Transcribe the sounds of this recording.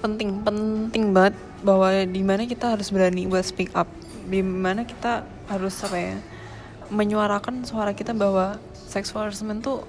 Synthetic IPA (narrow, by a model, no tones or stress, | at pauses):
pənt̪ɪŋpənt̪ɪŋbaŋət̪̚ | baɦwadimanakit̪aɦaɾʊsbəɾanibuat̪spikap̚ | dimanaki̥t̪a | haɾʊsapaja̰ | məɲuaɾakansoaɾakit̪abahwa | sɛksalsəmɛnt̪u